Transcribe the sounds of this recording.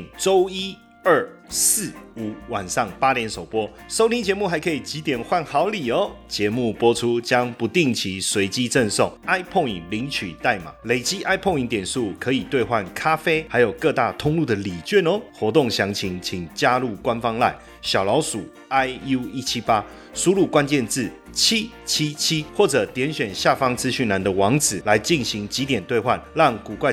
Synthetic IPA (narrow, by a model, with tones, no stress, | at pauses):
ŋʈ͡ʂo˦ʊi˥ | ə˥˩sɹ̩˥˩u˨˩wa˨˩nʂɑ˥˩ŋpa˥ljɛ˧˥nso˨˩ʊpwɔ˥ | so˥ʊt̪ʰĩ˥ŋt͡ɕjɛ˧˦mu˥˨xa˧˥ɪkʰɤ˧i˨˩t͡ɕi˧˨˥t̪jɛ˨˩nxwa˥˩nxɑ˨˧˥ʊli˨˩o˨˦ʊt͡ɕjɛ˧˥mu˥˩pwɔ˥ʈ͡ʂʰu˦t͡ɕjɑ˦˥ŋpu˨˦t̪i˥˩ŋt͡ɕʰi˧˦swe˧˥ɪt͡ɕi˦˥ʈ͡ʂə˥˧nso̰˥˩ŋa˥ɪpʰɔ˥˧˩ŋi˨˩ŋli˧˥ŋt͡ɕʰy˨˩t̪a˥˩ɪma̰˨˩le˨˩ɪt͡ɕi˦˥ʔa˥ɪpʰɔ˥˧ŋi˨˥ŋt̪jɛ˨˩nsu˥˩kʰɤ˨˦i˨˩t̪we˥˧ɪxwa˥˩nkʰa˦˥fe˥ɪxa˧˥ɪjo˨˩ʊkɤ˥˧t̪a˥˩t̪ʰʊ˥ŋlu˥˩d̪ə˨li˨˩t͡ɕɛ˥˧nə˨˦xwɔ˧˥t̪o˥˨˩ŋɕjɑ˧˥ŋt͡ɕʰi˧˥ŋt͡ɕʰi˨˩ŋt͡ɕja˦˥lu˥˩kwa˦nfɑ˦ŋla̰˥˩ɪ | ɕjɑ˨˩ʊlɑ˧˦ʊsu˨˩ | a˥ɪu˥i˦˥t͡ɕʰi˦˥pa˦˥ | su˥lu˥˩kwa˦nt͡ɕjɛ˥˧nt͡sɹ̩˥˩ | t͡ɕʰi˦ | t͡ɕʰi˥t͡ɕʰi˦xwɔ˥˩ʈ͡ʂɤ˨˩t̪jɛ˨˦nɕɥɛ˨˩nɕja˥˨fɑ˦ŋt͡sɹ̩˦ɕy˥˩na˧˦nd̪ə˨wɑ˧˥ŋd͡zɹ̩˨˩la˧˦ɪt͡ɕi˥˩nɕi˧˦˥ŋt͡ɕi˧˥t̪jɛ˨˩nt̪we˥˧ɪxwa̰˥˨nlɑ˥˨˩ŋku˨˩kwa˥˧˩